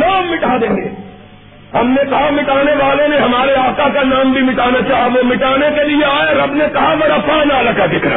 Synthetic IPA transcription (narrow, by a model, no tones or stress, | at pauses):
naːmːɪʈʰaːd̪ẽːḛ̃ː | ɦɐmnekɐɦamɪʈaːneʋaːlõneɦɐmaːɾeaːkakanaːmbʱimɪʈaːnat͡ʃaːɦaʋomɪʈaːnekelieaːaɾɐbnekɐɦaʋɐɾɐpʰaːnaːlakad̪ɪkʰɾa̰ː